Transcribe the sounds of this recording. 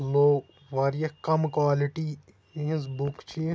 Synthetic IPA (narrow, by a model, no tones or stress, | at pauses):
loː | ʋaːɾijɐkɐmkwaːlɪʈĩ | zbʊkt͡ʃʰi